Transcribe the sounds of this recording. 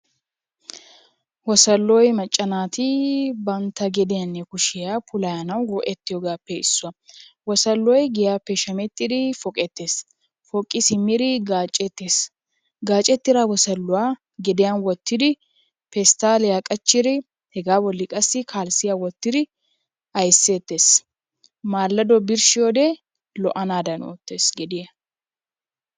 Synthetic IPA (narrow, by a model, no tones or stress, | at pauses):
wɔsɐlːɔjmɐt͡ʃʼːɐnaːt̪ɪbɐnt̪ːɐɡɛd̪ɪjɐnːɛkʊʃɪjapʰʊlɐjɐnɐwwɔʔɛt̪ːɪjɔɡaːpːɛɪsːʊɐwɔsɐlːɔjɡɪjaːpːɛʃɐmɛt̪ːɪd̪ɪfɔkʼɛt̪ːeːs | fɔkʼːɪsɪmːɪd̪ɪɡaːt͡ʃʼːɛt̪ːeːs | ɡaːt͡ʃʼːɛt̪ːɪɾawɔsɐlːʊwaː | ɡɛd̪ɪjanwɔt̪ːɪd̪ɪ | pɛst̪aːlɛjakʼɐt͡ʃːɪɾɪ | hɛɡaːbɔlːɪkʼɐsːɪkʰaːlsɪjawɔt̪ːɪd̪ɪ | ɐjsːe̞ːt̪ːeːs | maːlːɐd̪ɔbɪɾʃɪjoːd̪ɛ | lɔʔɐnaːd̪ɐno̰ːt̪ːe̞ːsɡɛd̪ɪjɐ